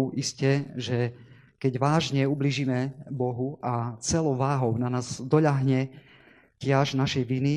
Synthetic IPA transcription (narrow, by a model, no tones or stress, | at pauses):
iscɛʒɛ | kɛɟʋaːʒɲɛubliːʒimɛbɔɦuʔat͡sɛlɔʊʋaːɦɔʊnanaːzd̪ɔʎaɦɲɛ | cɪaʒnaʃɛjʋini